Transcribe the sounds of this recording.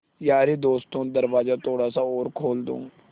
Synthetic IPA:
jaːɾeːd̪oːst̪õːd̪əɾʋaːzaːt̪ʰoːɽaːsaːoːɾkʰoːld̪õ̰ː

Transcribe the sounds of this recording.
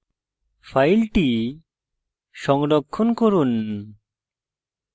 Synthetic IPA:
pʰajlʈi | sɔŋɖɔkʰːɔnkɔɾun

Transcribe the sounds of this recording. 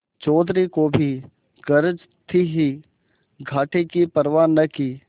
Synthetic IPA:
t͡ʃɔːd̪ʱɾikoːbʱi | ɡəɾəd͡ʒ | t̪ʰiɦi | ɡʱaːʈekipəɾʋaːɾnɐkiː

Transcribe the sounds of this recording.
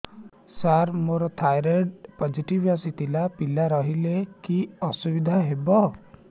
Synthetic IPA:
saɾmoɾɔt̪ʰajɾeɖpɔd͡ʒiʈibjɔsit̪ilapilaɾɔɦilekiɔsubid̪ʱaɦebɔ

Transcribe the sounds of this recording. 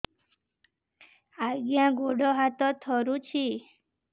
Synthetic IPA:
aɡjãɡoɽɔɦat̪ɔt̪ʰɔɾũt͡ʃʰi

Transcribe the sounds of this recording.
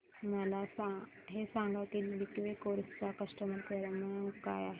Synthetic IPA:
malasa | ɦesãŋɡakibikʋekoɾst͡ɕakəsʈəməlkeɾəməkajaɦe

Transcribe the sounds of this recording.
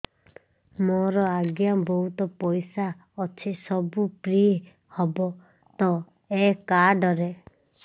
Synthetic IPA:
mɔɾɔaɡjabɔɦut̪ɔpɔjsa | ɔt͡ʃʰisɔbupɾie | hɔbɔ | t̪ɔ | ekaɖɔɾe

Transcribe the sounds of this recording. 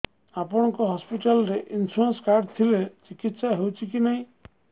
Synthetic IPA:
apɔɽ̃ɔ̃ŋkɔɦɔspiʈalɔɾeʔinsuɾɔnskaɾɖt̪ʰilet͡ʃikit̪saɦewt͡ʃʰikinaɦĩ

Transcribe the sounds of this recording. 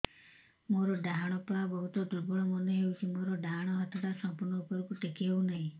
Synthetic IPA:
moɾɔɖaɦaɽ̃ɔpɔabɔɦut̪ɔd̪uɾbɔɽ̃ɔmɔneɦewt͡ʃʰimoɾɔɖaɦaɽ̃ɔɦɔt̪ʰɔʈasɔmpuɾɳɔupɔɾɔkuʈekiɦewnaɦĩ

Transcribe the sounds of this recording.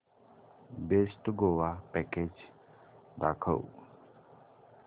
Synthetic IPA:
besʈɡoʋapɛked͡ʑ | d̪akʰə̰w

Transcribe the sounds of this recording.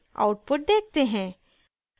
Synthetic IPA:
a̰ʊʈ̚pʊʈ̚d̪eːk̚ʰt̪eɦɛ̃ː

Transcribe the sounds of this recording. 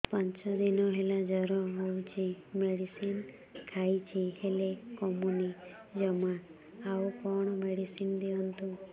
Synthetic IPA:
paɲt͡ʃɔd̪inɔɦelad͡ʒɔɾɔɦowt͡ʃʰimeɽisin | kʰait͡ʃʰihelekɔmuni | d͡ʒɔma | awkɔɽ̃ɔmeɽisind̪iɔnt̪u

